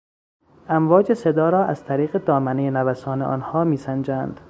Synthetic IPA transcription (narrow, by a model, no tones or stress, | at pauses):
ʔæmvɒːd͡ʒe̞se̞d̪ɒːɾɒːʔæz̥t̪ʰæɾiːɣed̪ɒːmænejenævæsɒːneʔɒ̰ːnhɒːmiːsænd͡ʒænd̪̥